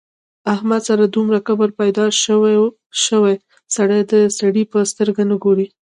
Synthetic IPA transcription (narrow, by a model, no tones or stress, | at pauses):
ahmad̪saɾad̪umɾakabəɾpajd̪ɑʃ | ʃəwaj | saɽajd̪əsaɽipəst̪əɾɡanəɡoɾi